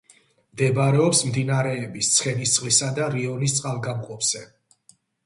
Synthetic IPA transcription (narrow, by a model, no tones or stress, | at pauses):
md̪ɛbaɾɛɔpsmd̪inaɾɛːbist̪sʰχɛnist̪sʼχlisad̪aɾiɔnist̪sʼqʼalˠɡamqʼɔpz̥ɛ